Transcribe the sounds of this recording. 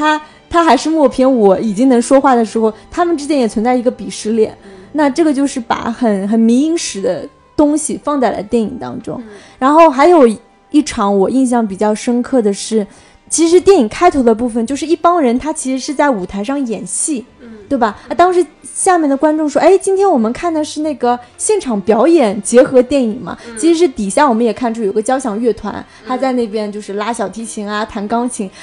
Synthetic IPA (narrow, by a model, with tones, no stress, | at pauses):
t̪ʰa˥ | t̪ʰa˥xa˧˥ɪʂɻ̩˥˧mwɔ˥˩pʰjɛ˥nwɔ˧˥i˨˩t͡ɕi˥ŋnɤ˧˥ŋʂwɔ˥xwa˥˩d̪ə˩ʂɻ̩˧˥xo˥˧ʊt̪ʰa˥mə˨nʈ͡ʂɻ̩˥t͡ɕjɛ˥njɛ˨˩t͡sʰwə˧˥nt͡sa˥˩ɪi˧˥ɡə˧pi˨˩ʂɻ̩˥˧ljɛ̰˥˩˦nna˥˧ʈ͡ʂɤ˥˩ɡə˩t͡ɕjo˥˧ʊʂɻ̩˥˩pa̰˨˩xə˨˩nxə˨˩nmi˧˥i˥ŋʂɻ̩˧˥d̪ə˧ | t̪ʊ˥ŋɕi˨fɑ˥˧ŋt͡sa˥˩ɪla̰˧˥ɪt̪jɛ˥˩nḭ˨˩ŋt̪ɑ̰˥ŋʈ͡ʂʊ̰˥ŋɻa˧˥nxo˥˩ʊxa˧˥ɪjo˨˩ʊ | i˥˩ʈ͡ʂʰɑ˧˥ŋwɔ˨˩i˥˧ŋɕ̬jɑ˥˩ŋp̬i˨˩t͡ɕjɑ˥˩ʊʂə˥nkʰɤ˥˩d̪ə˩ʂɻ̩˥˩ | t͡ɕʰi˧˥ʂ̬ɻ̩˧˥t̪jɛ˥˩ni˨˩ŋkʰa˥ɪt̪ʰo˧˥d̪ə˧pu˥˩fə˩nt͡ɕjo˥˧ʊʂɻ̩˥˧i˥˩pɑ˥ŋɻə˧˥nt̪ʰa˥t͡ɕʰi˧˥ʂɻ̩˧˥ʂɻ̩˥˧t͡sa˥˩ɪu˨˩t̪ʰa˧˥ɪʂɑ˥˩ŋjɛ˨˩nɕi˥˩t̪we˥˩ɪbɐ˩˥t̪ɑ˥ŋʂɻ̩˧˥ɕja˥˧mʲjɛ˥˩nd̪ə˩kwa˥nʈ͡ʂʊ˥˧ŋʂwɔ˥ʔe˥˩ɪt͡ɕi˥nt̪ʰjɛ˥nwɔ˨˩mə˦nkʰa˥˩nd̪ə˩ʂɻ̩˥˧na˥˩ɡə˩ɕjɛ˥˩nʈ͡ʂʰɑ˨˩ŋpjɑ˧˥ʊjɛ˨˩˦nt͡ɕjɛ˧˥xɤ˧˥t̪jɛ˥˩ni˨˩ŋmɐ̰˦t͡ɕʰi˧˥ʂɻ̩˧˥ʂɻ̩˥˩t̪i˨˩ɕja˥˩wɔ˨˩mə˦njɛ˨˩kʰa˥˧nʈ͡ʂʰjo˨˩˥ɡə˧t͡ɕjɑ˥ʊɕjɑ˨˩ŋɥɛ˥˩t̪ʰwa̰˧˥n | t̪ʰa˥t͡sa˥˧ɪne˥˩ɪp̬jɛ˥nt͡ɕjo˥˧ʊʂɻ̩˥˩˧la˥ɕjɑ˨˩ʊt̪ʰi˧˥t͡ɕʰi˧˥ŋɐ˧t̪ʰa˧˥nkɑ˥ŋt͡ɕʰi˧˥ŋ